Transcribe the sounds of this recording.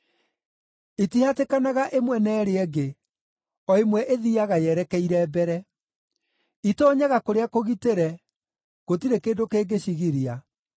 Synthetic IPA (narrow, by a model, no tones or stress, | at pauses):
itihatekanaɣaʔemwɛnɛːɾeɛɡe | ɔemwɛʔeðiaɣajɛɾɛkɛiɾɛbɛɾɛ | itɔːɲaɣakoɾeakoɣiteɾɛ | ɣotiɾekeːndokeːɡeɕiɣiɾia